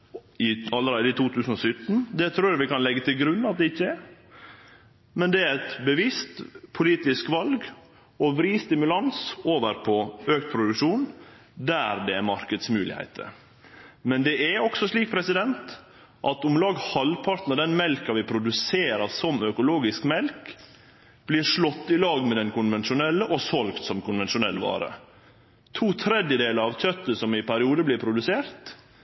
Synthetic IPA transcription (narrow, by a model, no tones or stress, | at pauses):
ɪɑlːəɾeːd̪əɪt̪ʰuːt̪ʰʉːsən̩ɔsʏt̪ːn̩d̪ɛt̪ʰɾuːɾɾʋɪkɑnlɛɡːət̪ʰɪlɡɾʉnːɑt̪̚d̪ɛɪçːəɛ | mɛnd̪ɛæɾɛt̪bəʋɪst̪pʰʊliːt̪ɪskʋɑlɡ | ɔʋɾiːst̪ɪmʉlɑnsoːʋəɾpʰɔøːkt̪̚pʰɾʊd̪ʉkʂuːn | d̪æɾd̪ɛæmɑɾkəd̪smʉːlɪ̰hæ̰ɪt̪ʰə̰ | mɛnd̪ɛʔæɔksɔʂɭiːk̚pʰɾɛsɪd̪ɛnt̪ | ʔɑt̪ʊmlɑːɡhɑlpʰɑɾt̪nɔd̪ɛnmɛlkɑʋɪpʰɾʊd̪ʉseːɾɑɾsɔmœkʊloːɡɪskmɛlk | b̥liːɾʂɭɔt̪ːɪlɑːɡmɛd̪ɛnkʊnʋɛnʃʊnɛlːəʔɔsɔlkt̪sɔmkʰʊnʋɛnʂʊnɛlːʋɑ̰ːɾə̰ | t̪ʰuːt̪ʰɾɛd̪jəd̪eːləɾɑʋtœt̪ːəsɔmɪpʰæɾɪuːd̪əblɪɾpʰɾʊd̪ʉseːɾt̪